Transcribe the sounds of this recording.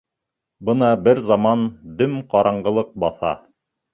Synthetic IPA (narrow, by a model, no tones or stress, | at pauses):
bɤnɑbɘɾzɑmɑnd̪ɵmqɑɾʔɑɴɢɤ̆lˠɤq̚bɑθɑ̰